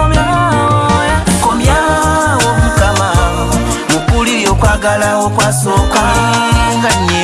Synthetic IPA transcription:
komja | woβutama | mukulijokwaːɡalawokwaːsokwa | ŋɡaɲe

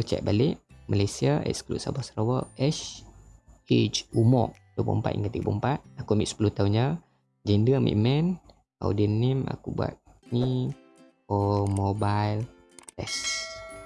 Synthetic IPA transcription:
t͡ʃɛ̰ʔ̚baliʔmalajsiaʔɛ̰ʔsklṵʔsa̰bɔsɾawəʔɛs | et͡ʃumɔ̰ʔ̚dəbṵmpa̰t̪ʔḭ̃ŋkat̪iɡpumpat̪̚akumḭʔsə̥pulut̪aund͡ʒa | d͡ʒɛndəmʔḭʔmɛn | a̰wdiənima̰kubwa̰t̪̚ | ni | ɔmobajl | ɛs

